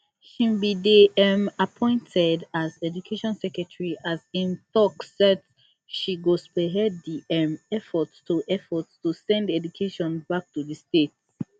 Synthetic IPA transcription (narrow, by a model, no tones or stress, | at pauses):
ʃĩmbideɛmapʰɔ̃ɪ̃ntʰɛdazɛd͡ʒukʰeʃɔ̃nsɛkɹɛtʰɹiʔazĩntɔksɛt | ʃiɡospɛɛddiɛ̃mɛfɔtstuʔɛfɔtstusɛ̃ndɛd͡ʒukʰeʃɔ̃nbak̚tuðistet̚